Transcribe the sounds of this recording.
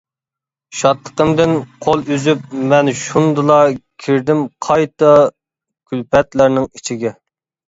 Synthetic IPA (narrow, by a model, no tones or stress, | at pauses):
ʃɑt̪lˠə̥qəmd̪ɪnqʰolˠyzyp̚mɛnʃund̪ɨlˠɑkʲʰiɾd̪ɪmqʰɑjt̪ɑ | kʲʰylpɛt̪læɾnɪŋit͡ʃʰiɡʲɛ